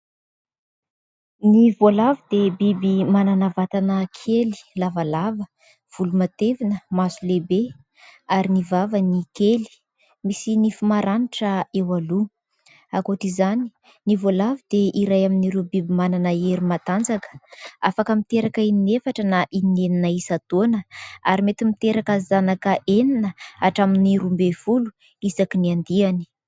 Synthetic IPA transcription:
nivolavid̪ebibimananavat̪anəkʰeli̥lavalavə | v̥ulumat̪evinəmazulebe | aɾinivavənikeli̥ | misinifumaɾaniʈ͡ʂəewalu | akoʈ͡ʂizani̥ | nivolavid̪eʔiɾajaminiɾubibimananəeɾumat̪and͡zakə̥a̰fakəmit̪eɾakəininefaʈ͡ʂənaʔinineninaisat̪onəaɾimet̪imit̪eɾakəzanakəʔeninəaʈ͡ʂaminiɾumbefulu̥ | izakiniand̪iani̥

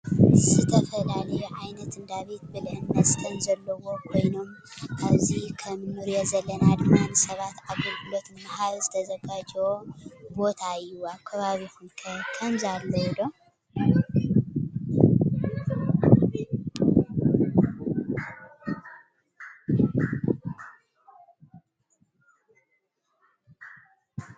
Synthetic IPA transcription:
zɨt̪ʰɐfɐlalɐjuʕajnɐt̪ɨnd̪aβe̞t̪̚bɨlnːɐsʼɨ̥t̪ʰɐnzɐlːɐwo̞kʰo̞jno̞m | kʰaβzikʰɐmnːɨɾjozɐlːɐnad̪ɨmanɨsɐβat̪aβɡulɡɨlot̪nɨmahaɾzɨt̪ʰɐzɐɡad͡ʒobo̞t̪ʰaɨjːuaβkʰɐβaβihunkʰɐkʰɐmzalːoid̪o

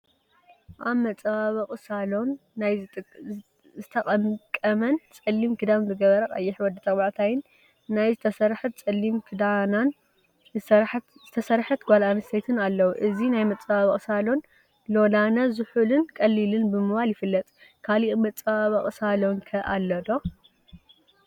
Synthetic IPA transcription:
ʔaβmɐt͡sʼβaβɐχʼɨsalo̞nːajʼ | zɨt̪ʰɐkʼɐmkʼːɐmɐnt͡sʼɐlːimkʰɨd̪aβnzɨɡɐβɐɾɐʔʼa̰jːɪħwɔd̪ɨt̪ʰɐbaʕt̪ʰajɪnː | ajzɨt̪ʰɐsɐɾħɨt̪̚t͡sʼɐlːimkʰɨd̪anan | zɨsɐɾħ | zɨt̪ʰɐsɐɾħɐt̪ɡʷalanɐst̪ʰet̪ʰɨnalːɐwuʔɨzinajmɐt͡sʼɐβaβɐχʼɨsalon | lo̞lanɐzɨħulɨnkʼɐlːilɨnbɨmɨβaljɪfɨlːɐt̪ʼkʰaliʔmɐt͡sʼaβaβɐχʼɨsalonkʰɐʔalːɐd̪o̞

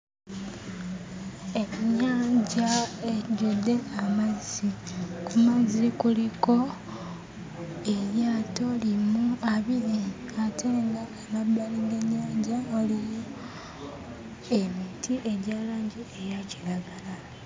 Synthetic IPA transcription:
eɲaːɲɟaeɟodːe̞amazikumazikuliko̞ | e̞ɾjaːto̞limuaβiɾi | atʰeːŋɡaːmabːaliŋɡeɲːaːɲɟaolijo | e̞mitʰiʔe̞ɟaːlaːɲɟiejaciɾaɡala

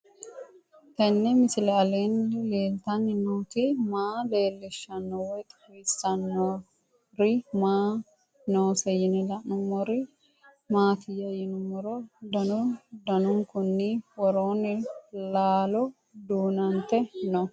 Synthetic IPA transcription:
t̪ɐnːɛmɪsɪlɛɐleːnleːlt̪ɐnɪnoːt̪ɪmaːle̞ːlːɛʃːɐnːɔwɛjt̪ʼ | ɾɪsɐnːo | ɾɪmaː | noːsɛjɪnɪlɐʔnʊmːɔɾɪ | maːt̪ɪjɐjɪnʊmːɔɾɔd̪ɐnʊd̪ɐnʊŋkʊnːɪwɔɾoːnɪlaːlɔ | d̪uːnɐnt̪ɛnɔ

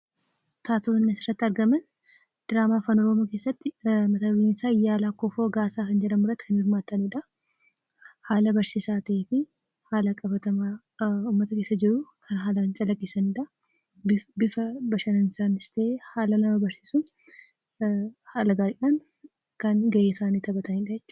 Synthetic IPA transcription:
t̪ʰaːt̪onɐsɪrːɐt̪ːɪɐɾɡɐmɐn | d̪̥ɪɾaːmaːfɐnɔɾɔmoːkeːsːɐt̪ːɪmɐt̪ɐɪɪnsaːɪjːaːlakːɔfoːɡaːsaːkɐnd͡ʒɛlɐmʊrɐt̪ːɪkʰɐnhɪɾmaːt̪ːɐnɪᶑɐ | haːlɐbɐɾsiːsaːt̪ɐeːfɪ | haːlɐkʼɐfɐt̪ɐma | uːmːɐt̪ɐkeːsːɐd͡ʒɪɾʊkʰɐnɦaːlɐɐnt͡ʃʼɐlɐɡesɐnɪᶑɐ | bɪbɪfɐbɐʃɐnɐnɪsaːnɪst̪ʰɐʔehaːlɐnɐmɐbɐɾsi̥ːsʊn | haːlɐɡaːɾɪᶑan | kɐnɡɐʔeːsaːniːt̪ɐbɐt̪ʰɐnɪᶑɐjɛt͡ʃːʊ̥

